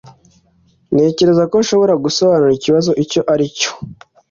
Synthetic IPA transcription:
ne̞ːce̞ɾe̞zakonʃo̞βo̞ɾaɡuso̞βanuɾiciβazo̞ʔico̞ʔaɾico̥

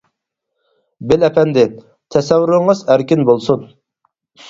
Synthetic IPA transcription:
bɪlɛpʰɛnd̪ɪn | t̪ʰɛsɛvyɾɨɴəzæɾkʲinbolˠsun

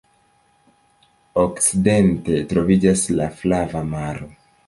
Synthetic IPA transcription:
o̞kt͡side̞nte̞tɾo̞vid͡ʒaslaflavamaɾo̞

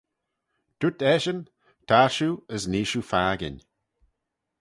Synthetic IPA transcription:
d̪̥ut̪ɛʃən | tʰaʃuəzniːʃufaːɡɪ̰n

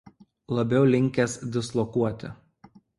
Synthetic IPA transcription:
lˠɐbʲɛʊlʲɪŋʲkʲɛsd̪ʲɪslˠɔkuɔt̪ʲɪ̰

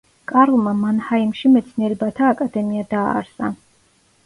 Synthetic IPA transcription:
kʼaɾlˠmamanhaimʃimɛt̪sʰniɛɾɛbat̪ʰaːkʼad̪ɛmiad̪a̰ːɾsa

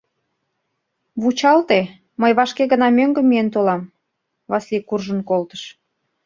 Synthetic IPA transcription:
βut͡ɕɑlt̪e | məjβɑʃkeɣənɑmøŋɡə̆mːijent̪olɑm | βɑslʲikurʒənkolt̪ə̥ʃ

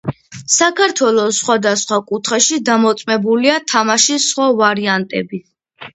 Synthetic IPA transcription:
sakʰaɾt̪ʰwɛlˠɔsːχwad̪asχwakʼut̪ʰχɛʃid̪amɔt̪sʼmɛbuliat̪ʰamaʃisχwavaɾiant̪ʼɛ̰bi

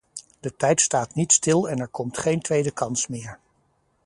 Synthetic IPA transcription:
d̥ətɛjtstaːtnitstɪlˠɛnɛɹkɔmtχejntʋejdəkɑnsmɪːɹ

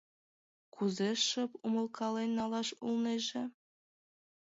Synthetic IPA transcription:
kʰuzeʂɤ̆pumɤ̆lˠkʰɑlenːɑlˠɑʃṵlˠneʒĕ

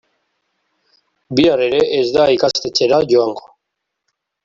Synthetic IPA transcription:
biare̞ɾe̞ʔezd̪aikast̪e̞t͡se̞ɾaʝoaŋɡo

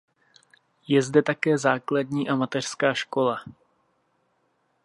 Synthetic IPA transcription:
jɛzdɛt̪akɛːzaːkladɲiːʔamat̪ɛr̥skaːʃko̞la

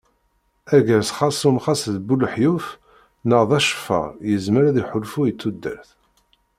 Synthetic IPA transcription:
æʝəɾsχɑsˤumχɑsðbulħjuf | nəʁðˤæʃə̥fæ̰jəzməɾæðiħʊlfujət͡sːud̪ːə̰ɾθ

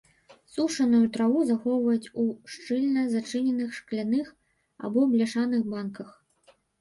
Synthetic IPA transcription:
suʂɐnujut̪ɾavuzaxɔwvɐjut͡sʲuʂt͡ʂɨlʲnɐzat͡ʂɨnʲɛnɨxʂklʲanɨx | a̰bɔblʲɛʂanɨxbankɐx

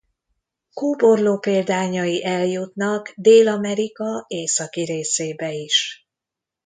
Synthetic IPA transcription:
kuːbo̞rloːpeːld̪aːɲɒjiʔɛljut̪nɒɡd̪eːlɒmɛɾikɒeːsɒkiɾeːseːbɛiʃ

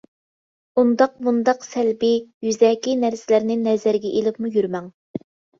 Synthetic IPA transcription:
und̪ɑq̚mund̪ɑqsɛlbɪjyzɛːkʲinæɾsɪlæɾnɪnɛzæɾɡʲɛʔelɪpmujyɾmɛŋ

